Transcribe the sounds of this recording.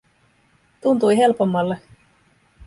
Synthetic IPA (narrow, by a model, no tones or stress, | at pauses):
t̪unt̪ujɦe̞lpo̞mːɑlːe̞